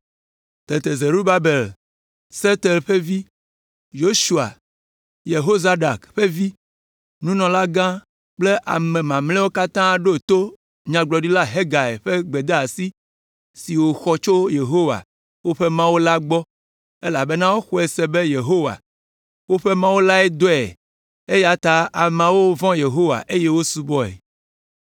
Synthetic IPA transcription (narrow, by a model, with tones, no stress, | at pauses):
t̪e˨t̪e˨ze˨ɾu˦ba˦be˨l | se˦t̪e˨lɸe˦vi˦ | jo˦ʃu˦a̰˨ | je˨ɦo˦za˦ɖa˨kɸe˦vi˦ | nũ˦nɔ̃˨la˦ɡã˦ | k͡ple˦ʔa̰˨mẽ˨mã˨mlɛ˦wo˦ka˦t̪ã˦ɖo˦˨t̪o˦ | ɲã˨ɡ͡blɔ˨ɖi˦la˦ɦe˦ɡa˨ḛ˨ɸe˦ɡ͡be˨d̪e˦a˨si˦ | si˨wo˨xɔ˦t͡ʃo˦je˨ɦo˦wa̰˨ | wo˦ɸe˦mã˦wo˦la˦ɡ͡bɔ˦ | e˦la˨be˦nã˦wo˦xɔ˦e˨se˨be˦je˨ɦo˦wa̰˨ | wo˦ɸe˦mã˦wo˦la˦ɛ˦d̪o˦ɛ̰˨ | e˦ja˨t̪a˦a˨mã˨wo˦vɔ̃˦je˨ɦo˦wa̰˨ʔe˦je˦wo˦su˦bɔ˦ɛ̰˨